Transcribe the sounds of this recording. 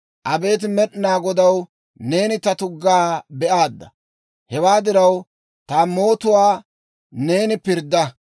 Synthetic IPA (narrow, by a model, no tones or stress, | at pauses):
ʔɐbe̞ːt̪̬ɪmɛɗnaːɡɔd̪ɐw | ne̞ːnɪt̪ɐt̪ʊɡːaːbɛʔaːd̪ːɐ | hɛwaːd̪ɪɾɐw | t̪aːmo̞ːt̪ʊwaː | ne̞ːnɪpɪɾd̪ːɐ